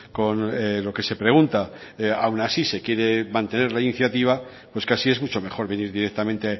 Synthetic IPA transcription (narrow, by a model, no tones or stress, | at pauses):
ko̞nelo̞ke̞se̞pɾe̞ɣ̞unt̪a | awnasise̞kje̞ɾe̞mãnt̪e̞ne̞ɾlainiθjat̪iβ̞a | pwe̞skasie̞zmut͡ʃo̞me̞xo̞ɾβe̞niɾðiɾe̞k̚t̪amẽnt̪e